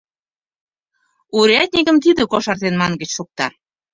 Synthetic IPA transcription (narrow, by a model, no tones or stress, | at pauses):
uɾæt̪̚ʲnʲikə̆mt̪id̪ə̆koʃɑrt̪enmɑŋɡə̆t͡ɕʃok̚t̪ɑ